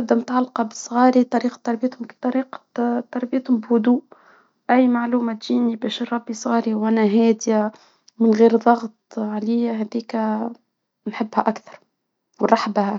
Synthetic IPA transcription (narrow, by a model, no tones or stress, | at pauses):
d̪ːɪmt̪ʕalːqɑbəsˤɣɑːɾit̪ˤɑɾiːqɑ̥t̪ːɑɾˤbijt̪hʊmt̪ˤːɑɾiːqt̪ːɑɾˤbɪjt̪hʊmbhʊd̪uːʔ | ʔæjːmaʕluːmæt̪ʒiːnibɛːʃərˤɑbːisˤɣɑːɾiwʔænæɦɛːd̪ja | mɪnɣiːɾðˤɑɣt̪ˤʕaliːɦæd̪iːkæ | nħɪbːhæʔakθɑ̥ɾˤ | wnˤɑħbh